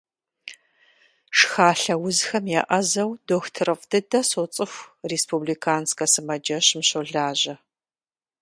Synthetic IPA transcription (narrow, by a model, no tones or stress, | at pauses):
ʂxaːɬɐwʊzxɐmjɛʔɐzɐwdoːxtʰɨrɨqʼdɨdɐsot͡sʼɨxʷreːspublikʰaːnskɐsɨmɐd͡ʒɐɕmɕoɮaːʑɐ